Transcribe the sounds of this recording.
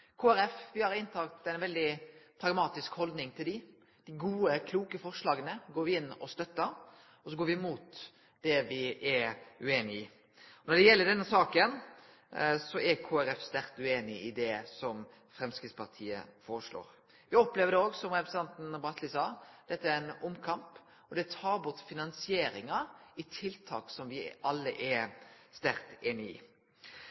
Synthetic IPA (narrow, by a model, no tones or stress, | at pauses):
kʰoːæɾɛfʋɪhɑɾɪnːt̪ʰɑːkt̪æɪnʋɛld̪ɪpʰɾɑɡmɑːt̪ɪskhɔld̪nɪŋt̪ʰɪld̪ɪ | d̪̥ɪɡuːəkʰluːkəfɔɾʂlɑːɡənəɡoːɾʋɪɪnːɔst̪œt̪ːəɾ | ɔsɔɡoːɾʋɪmuːt̪ | d̪̥ɛʋɪʔɛʉeːnɪɪ | ɔnɔɖɛjɛlːəɖɛnːəsɑːkən | sɔʔɛɾkʰoːæɾɛfst̪æɾt̪ʉeːnɪɪd̪ɛsɔm | fɾɛmskɾɪt̪spɑɾt̪ʰiːə̰foːɾəʂlo̰ːɾ | ʋɪɔpleːʋəd̪ɛoːɡsɔmɾɛpɾəsn̩t̪ɑnt̪n̩bɾɑt̪lɪsɑːd̪̥ɛt̪ːəæɾænɔmːkʰɑmp | ɔd̪ɛt̪ʰɑːɾbʊt̪ːfɪnɑnsɪeːɾɪŋɑɪt̪ʰɪlt̪ʰɑ̰ːksɔmʋɪʔɑlːəʔɛst̪æɾt̪eːnɪḭː